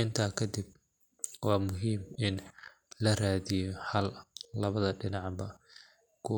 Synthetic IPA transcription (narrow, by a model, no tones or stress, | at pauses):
ɪnt̪ʰɐkʰɐd̪ɪb̚ | wɑːmʊɦiːmɪn | lɐraːðɪjɔhɐlːɐβɐðɐɖɪnɑʕbɐ | kʰʊ